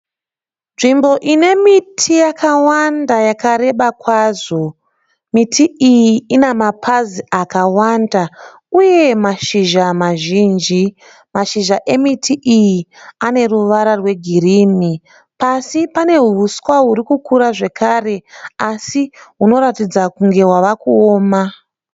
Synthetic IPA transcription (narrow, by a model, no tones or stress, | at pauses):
nʐimbo̞ʔine̞mitʰijakawandajakaɾe̞ɓakwaːzo̞ | mitʰiʔijiinemapʰaziakawanda | uje̞maʃiʒamaʒiːnd͡ʒi | maʃiʒaʔe̞mitʰiʔijiane̞ruʋaɾarwe̞ɡʱiriːmi | pasipane̞ɦuuskwaɦuɾikukuɾaʐe̞kʰare̞asiɦuno̞ɾatid͡zakuŋɡe̞waʋakuoːma